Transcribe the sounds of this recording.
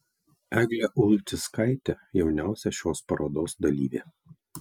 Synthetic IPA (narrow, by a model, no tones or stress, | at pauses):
æɡlʲeʔʊlʲˠt̪ʲɪskɐɪt̪ʲɛjɛʊnʲæˑʊsʲɛʃʲoːspɐɾʔoːd̪oːsd̪ɐlʲiːʋʲḛː